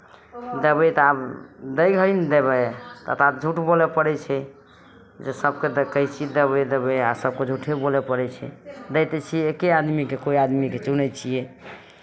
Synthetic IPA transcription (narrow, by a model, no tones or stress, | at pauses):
d̪əbəjt̪ɔabd̪əjɡʱəɾind̪eβɛt̪ə̰t̪at̚d͡ʒʱuʈbolɛpəɽɛt͡ʃʰɛ | d͡ʒesəbked̪ekəjt͡ʃʰid̪ebɛd̪ebəjasəb̚ked͡ʒʱuʈʰebolɛpəɾɛt͡ʃʰɛ̰d̪ɛt̪ɛt͡ʃʰijeːkead̪mikekoiad̪miket͡ʃunɛt͡ʃʰijɛ